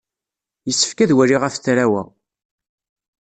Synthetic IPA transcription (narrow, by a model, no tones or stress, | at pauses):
jəsːə̥fkæðwæɾiʁafθɾæwæ̰